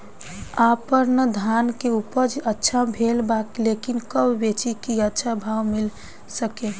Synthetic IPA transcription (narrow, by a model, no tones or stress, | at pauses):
apəɾnəd̪ʱankeupəd͡ʒətːʃʰabʱelbaklekinkəbbet͡ʃikiətːʃʰabʱawmil | səke